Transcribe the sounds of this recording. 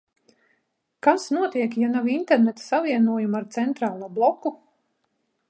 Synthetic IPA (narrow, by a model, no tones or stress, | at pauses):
kasnuɔt̪iɛkjanawint̪ɛɾnɛt̪ḁsavʲiɛnuɔjumaɾt̪sɛnt̪ɾaːlˠuːblˠɔku